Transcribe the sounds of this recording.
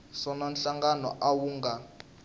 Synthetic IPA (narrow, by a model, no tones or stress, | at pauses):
sɔnanɬaŋɡanɔ̰ʔawuːŋɡa